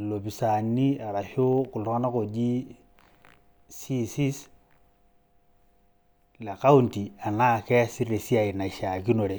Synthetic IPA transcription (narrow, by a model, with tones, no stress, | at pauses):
lo˨pi˨sa˨ni˦a˨ɾa˨ʃo˦ku˨lu˦ŋa˦na˦ko˨d͡ʒi˦ | si˦si˦s | la˨ka˦u˦nti˨a˨na˦kɛ˦si˦re˨si˦a˨i˨na˨ʃa˨ki˦no˨ɾe˨